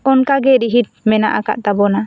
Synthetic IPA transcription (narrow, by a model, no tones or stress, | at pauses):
ɔnkaɡɛɾiɦit̪̚mɛna̰ʔaka̰ʔt̪abɔna